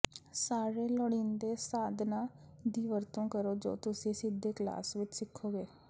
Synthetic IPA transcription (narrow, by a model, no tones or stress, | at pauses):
saːɾeːləɽiːnd̪eːsaːd̪naːd̪iːʋəɾt̪õːkəɾoːd͡ʒo̰ːt̪ʊsĩːsɪd̪ːeːkla̰ːsʋɪt͡ʃsɪkʰːoːɡeː